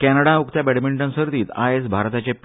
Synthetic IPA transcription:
kɛnəɽaukt̪jabɛɽmiɳʈənsəɾt̪iːt̪aesbʱaɾt̪at͡ɕep

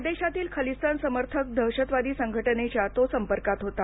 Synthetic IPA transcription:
d̪eɕat̪iːlkʰəlisənsəməɾt̪ʰək̚d̪ʱəwɕət̪ʋad̪iːsəŋɡʱəʈənet͡ɕjat̪osəmpəɾkat̪ɦot̪a

